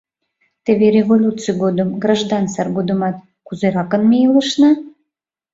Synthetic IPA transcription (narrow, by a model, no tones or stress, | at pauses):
t̪eβeɾʲevolʲut͡sɨjɡod̪əmɡrɑʒd̪ɑnsɑrɡod̪əmɑt̪̚ | kuzeɾɑkə̆nmejələʃnɑ